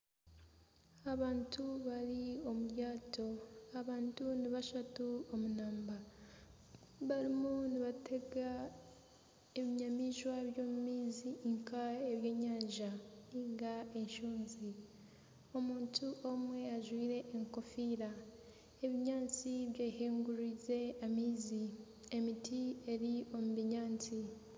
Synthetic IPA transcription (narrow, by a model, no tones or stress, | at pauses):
aβaːntʰuβaɾio̞muɾjaːtʰo̞aβaːntuniβaʃatuomunaːmba | βaɾimuniβatʰe̞ɡa | eβiɲamiːʃwaeβjo̞ːmumiːziŋkʰaeβje̞ːɲaːɲʒaniŋɡaeɲʃuːnzi | o̞muːntuʔo̞mwe̞aʒwiːɾe̞ʔːŋko̞fiːɾa | e̞βiɲaːnt͡siβjeːheːŋɡuɾize̞amiːzi | e̞mitʰie̞ɾio̞muβiɲaːnt͡si